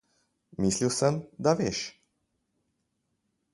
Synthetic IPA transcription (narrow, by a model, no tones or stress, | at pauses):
mislilsɛmd̪avjɛʃ